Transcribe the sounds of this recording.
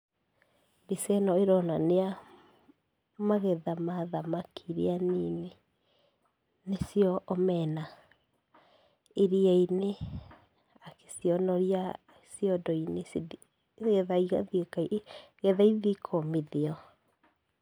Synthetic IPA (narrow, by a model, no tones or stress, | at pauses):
bisɛnɔeɾɔnanea | maɣɛðamaðamakiɾianine | nesjɔʔːmɛna | eɾiaine | ake̥siɔnɔɾia | sijɔdɔines | ɣɛðaiɣaðiekaiɣɛðaiðikʰɔmiðeɔ